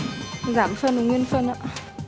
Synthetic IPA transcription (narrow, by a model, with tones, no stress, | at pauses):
zaː˧˩˦mfə˧n˨˩ŋwi˧ənfə˧˨nʔa̰ː˧˥